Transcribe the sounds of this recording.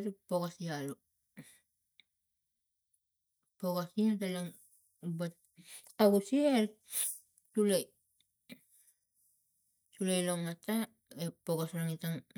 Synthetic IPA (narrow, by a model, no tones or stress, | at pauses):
tupoɡasialo | poɡasiatalaŋ | bat | aɡusiel | tulaj | tulajloŋata | epoɡasɾaŋitaŋ